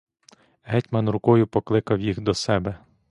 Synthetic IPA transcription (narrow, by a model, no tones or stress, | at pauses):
ɦɛtʲmɐnɾʊkɔjʊpɔklˠɪkɐwjixd̪ɔsɛbɛ